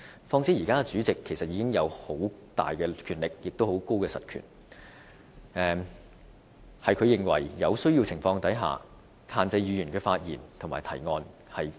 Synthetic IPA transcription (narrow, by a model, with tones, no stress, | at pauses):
fɔː˧ŋsi˥jiː˨˩kaː˥ɛ˧t͡syː˨˥t͡sɪ˨kʰːe˨˩sɐ˨t̚jiː˧˥kɪ˥ŋjɐ˨˧who˨˥wt̪a̰ː˨jkɛː˧kʰːyː˨˩nlɪ˨k̚jɪ˨k̚t̪o˥who˨˥wko˥wkɛː˧sɐ̰˨t̚kʰy̰˨˩n | ɛː˨ | hɐ˨jkʰɵ˨˧ɥjɪ˨ŋwɐ̰˨˩jːɐ˨˧wsɵ˥ɥjiː˧wt͡sʰɪ˨˩ŋfɔː˧ŋt̪ɐ˨˥jɦa̰ː˨ | haː˧nt͡sɐ˧jjyː˨˧jyː˨˩nkɛ˧faː˧t̚jiː˨˩nt̪ʰʊ˨˩ŋmaː˨˩jt̪ʰɐ˨˩jŋɔː˧n | hɐ˨j